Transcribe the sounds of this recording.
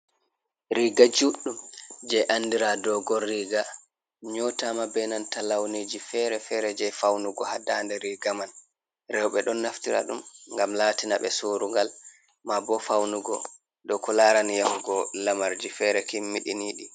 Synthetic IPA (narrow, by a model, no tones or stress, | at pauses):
ɾiɡad͡ʒuɗːumd͡ʒɛʔandiɾadɔɡɔɾiɡa | ɲɔtamabɛnantalawnid͡ʒifɛɾɛfɛɾɛd͡ʒɛfawnuɡɔhadandɛɾiɡaman | ɾɛwɓɛɗɔnːaftiɾa̰ɗumŋɡamlaːtinaɓɛsuːɾuŋɡal | mabɔfawnuɡɔ | ɗɔkɔlaːɾanjamuɡɔlamaɾd͡ʒifɛɾɛkimːiɗiniɗi